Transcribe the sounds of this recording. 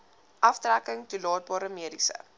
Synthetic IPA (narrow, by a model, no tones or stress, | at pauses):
ʔɐftrækəŋtulɑːt̚bɑːɾəmiədisə̰